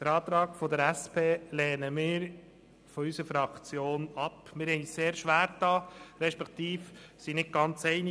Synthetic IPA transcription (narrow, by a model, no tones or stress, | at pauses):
d̥̪əɾɑːt̪ɾɑːɡfɔd̪əɾæspʰeːlɛːnəmɪːɾ | fɔysəfɾɑkt͡sjoːnɑpmɪɾhɛɪiːsseːɾʃʋæːɾtɑːɾɛʃpɛkt̪iːf | sinɪt̚ɡ̥ɑnt͡sɛɪni